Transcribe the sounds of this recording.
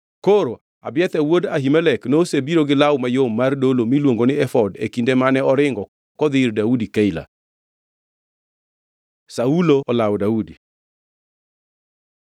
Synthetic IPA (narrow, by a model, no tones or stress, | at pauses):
koɾo | abɪɛt̪awodaɦimɛlɛknosebiɾoɡɪlawmajomːardolomilwoŋɡonɪɛfɔdḛkindemanɛɔɾɪŋɡɔ | kɔd̪ɪɾdaudikaila̰ | sauloɔlawdaudi